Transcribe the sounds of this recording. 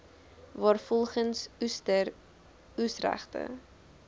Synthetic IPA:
vɑːrfɔlˠχənstə | usræ̰χtə̰

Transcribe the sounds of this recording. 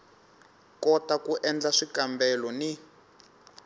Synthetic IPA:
kɔtakuʔɛnd͡ɮaʂikambɛlɔni

